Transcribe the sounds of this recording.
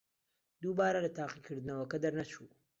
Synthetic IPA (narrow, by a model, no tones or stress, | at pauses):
d̪ubɑːɾalat̪aːqikʰəɾd̪nawakad̪aɾnat͡ʃu